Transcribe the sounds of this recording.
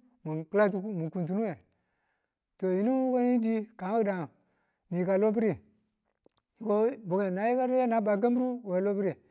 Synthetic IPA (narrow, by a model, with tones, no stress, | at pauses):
mu˨kla˦tu˦mu˨ku˨nt̬u˨˦nu˦we˨ | to˨ji˨ni˦ko˦ji˦di˦ka˨ŋ˦u˦da˨ŋ˨ | ni˨ka˨lo˦p̬i˦ɾi˦˨ | ji˨ko˦bo˨ɡe˨na˨ji˦ka˦ɾja˦na˦ba˨k̬a˦mbɾu˦we˨lo˦pi˦ɾi˨